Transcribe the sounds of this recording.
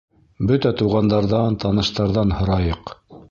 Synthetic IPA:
bɵt̪æt̪uʁɑnd̪ɑɾðɑnt̪ɑnɤ̆ʃt̪ɑɾðɑnhɤ̆ɾɑjɤq

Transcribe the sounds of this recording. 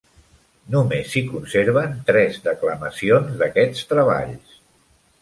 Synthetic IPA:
numesikunseɾβ̞ənt̪ɾɛzd̪əkləməsionzðəkɛt͡st̪ɾəβ̞a̰ʎs

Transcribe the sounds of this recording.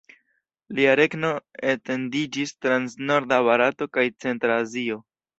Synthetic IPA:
liaɾe̞kno̞ete̞ndid͡ʒistɾansno̞ɾdaβaɾato̞kajt͡se̞ntɾaːzio̞

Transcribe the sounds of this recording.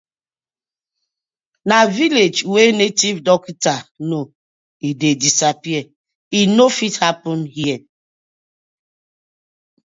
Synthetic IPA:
naviled͡ʒwenetivdɔkitano | idedisapiɛ | inofithapɔ̃nhiɛ

